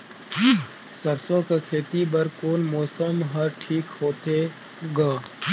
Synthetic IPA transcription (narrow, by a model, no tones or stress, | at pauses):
sɐɾsõkekʰeːt̪ibɐɾkoːnmɔːsəmɦɐɾʈʰiːkhoːt̪e | ɡaː